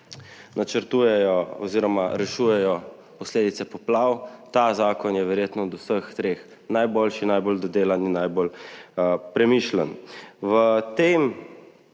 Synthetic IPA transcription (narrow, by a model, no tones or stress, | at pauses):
nat͡ʃəɾt̪uːjɛjɔɔ̰ziːɾɔmaɾɛʃujɛjɔ | pɔsleːd̪it̪sɛpɔplawt̪azaːkɔnjɛʋɛɾjeːt̪nɔd̪usəxt̪ɾeːx | najboːlʃinajboːld̪ɔd̪eːlaninːajbol | pɾɛmiʃlənʋət̪em